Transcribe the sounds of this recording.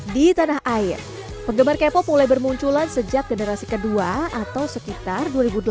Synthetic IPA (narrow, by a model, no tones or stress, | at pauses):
dit̪anaɦaɪr | pəɡəmarkepɔmulajbərmuɲt͡ʃulansəd͡ʒak̚ɡənəɾasikəduaat̪awsəkit̪arduaɾibud